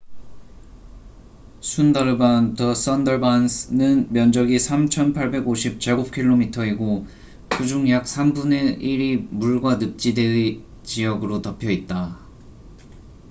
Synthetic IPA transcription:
sʰundaɾɯbantʰʌs͈ʌndʌɭbansnɯnmjʌnd͡ʑʌɡisʰamt͡ɕʰʌnpʰaɭbe̞ɡoɕʰip̚t͡ɕ͈aɡop̚kʰiɭːomitʰʌiɡo | kud͡ʑuŋjak̚sʰambune̞ʔiɾimuɭɡwanɯp̚t͡ɕ͈idei | t͡ɕijʌɡɯɾotʌpʰjʌit̚t͈a

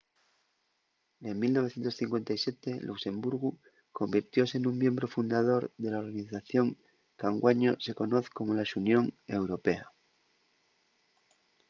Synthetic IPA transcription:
emilnoe̞θjent̪osθiŋkwe̞nt̪ajsje̞t̪e̞luksẽ̞mbuɾɣu | ko̞mbiɾt̪jo̞seːnũmmjẽ̞mbɾo̞fund̪aðo̞ɾðe̞lao̞ɾɣaniθaθjo̞ŋ | kaŋɡwaɲose̞ko̞no̞θko̞molaʃunjõ̞ŋe̞wɾo̞pe̞a

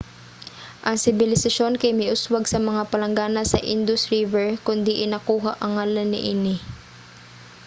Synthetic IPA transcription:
ʔɐŋsɪbɪlɪsɐʃo̞nkɐjmɪʔʊswaɡsɐmɐŋapɐlɐŋɡaːnɐsɐ̰ʔɪnd̪ʊsɾivɛɹkʊnd̪ɪʔɪnɐkuːɦaʔɐŋhaːlɐnːɪ̰ʔinɪ

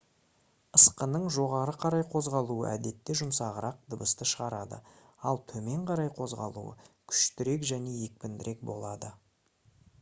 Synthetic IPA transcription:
əsqənəɴʒo̞ʁɑɾəqʰɑɾɑjqʰo̞zʁɑlˠuə̰ʔæd̪e̞t̪ːeʒʊmsɑʁəɾɑq̚d̪əbəst̪əʃəʁɑɾɑd̪ə̰ | ɑlˠt̪ʰɵme̞ɴqʰɑɾɑjqʰo̞zʁɑ̰lˠṵə̰kʲʰʏ̥ʃt̪ɪɾe̞kʒæne̞je̞k̚pɪnd̪ɪɾʔe̞k̚bo̞̰lˠɑd̪ə

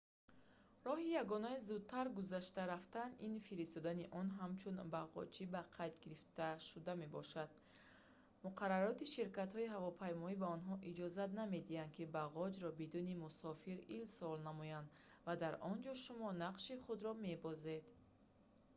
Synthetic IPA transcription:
rɔɦijaɡɔnaizud̪̚t̪ʰːaɾɡuzaʃt̪aɾaft̪aninfiɾist̪ɔd̪aniʔɔnɦamt͡ʃʰunbaʁɔ̰t͡ʃibaqʰajt̪ɡiɾift̪aʃud̪ame̞bɔ̰ʃad̪̥̚ | muqʰaɾaɾɔt̪iʃiɾkat̪hɔiɦavɔpʰajmɔibaɔnɦɔʔid͡ʒɔzat̪name̞d̪iand̪̚kʰibaʁɔd͡ʒɾɔbid̪unimusɔfiɾilsɔlnamɔjand̪ | vad̪aɾʔɔnd͡ʒɔʃumɔnaqʃiχud̪ɾɔme̞bɔze̞d̪

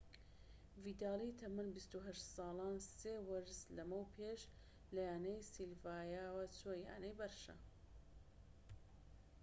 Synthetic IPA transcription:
vid̪aːlˠiːt̪ʰɐmɨnbist̪uɦɐʃt̪sɑːlˠɑːnseːwɐɾzlɐmɐwpʰeːʃ | lɐjaːnɐjsilvaːjaːwɐt͡soja̰ːnɐjbɐɾʃɐ̰

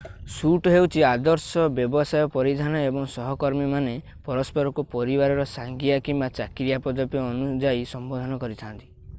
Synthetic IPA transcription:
suʈɔɦewt͡ʃʰiad̪ɔɾsɔbjɔbɔsajɔpɔɾid̪ʱanɔebɔŋsɔɦɔkɔɾmimane | pɔɾɔspɔɾɔkupɔɾibaɾɔɾɔsaŋɡiakimbat͡ʃakɾjapɔd̪ɔpjɔːnud͡ʒaisɔmbɔd̪ʱɔnɔkɔɾit̪ʰant̪i̥

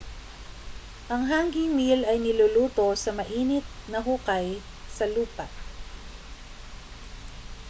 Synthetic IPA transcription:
ʔɐŋɦaŋɡɪŋmilɐjnɪluluːt̪o̞sɐmɐʔiːnɪt̪̚nɐɦukaj | sɐluːpɐʔ

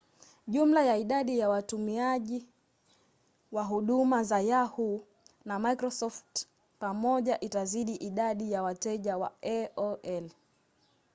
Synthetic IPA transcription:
ʄum̩lajaiɗaɗijawatumiaʄi | waɦuɗumazajahu | namaikɾɔsɔft | pamɔʄaʔitaziɗiʔiɗaɗijawatɛʄawa̰ɛɔɛl

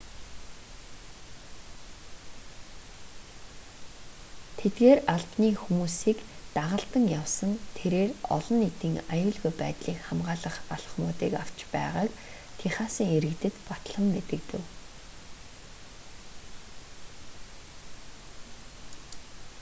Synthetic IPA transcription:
t̪ʰet̪ɡeːraɮpniːxumuːsiːkt̪aʁə̆ɬt̪ə̆ŋjawsə̆nt̪ʰeɾeːrɔ̰ɮɞ̆net̪iːŋajʊːɮɣujpæːt̪ɮiːkχamʁaːɮə̆χaɮ̥ə̥̆χmʊːt̪iːkaw̥t͡ɕpæ̰ːʁaːk | t̪ʰiχaːsiːŋeɾɘ̆kt̪ɘ̆t̪pat̪ɮə̆mːet̪ɘ̆k̚t̪ɘ̆w

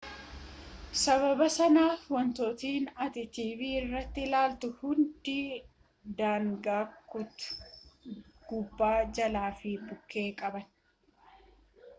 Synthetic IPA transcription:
sɐβɐbɐsɐnaːfwɔnt̪oːt̪iːnɐt̪ɪt̪iːfɪɪrːɐt̪ːɪlaːlt̪ʊhʊnd̪ɪ | d̪aːŋɡaːkːʊt̪ʊ̥ | ɡ̥ʊbːaːd͡ʒɐlaːfɪbʊkːe̞ːkʼɐbɐn

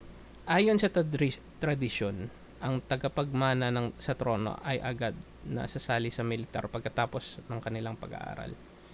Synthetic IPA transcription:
ʔaːjo̞nsɐ | t̪ɾɐd̪ɪʃon | ʔɐŋt̪ɐɡɐpɐɡ̚maːnɐnɐŋsɐt̪ɾo̞no̰ʔɐjʔɐɡad̪̚ | nɐ̰sɐsaːlɪsɐmɪlɪt̪a̰ɾpɐɡ̚kːɐt̪aːpo̞snɐŋkɐnɪlaŋpɐ̰ɡɐ̰ʔa̰ːɾɐ̰l

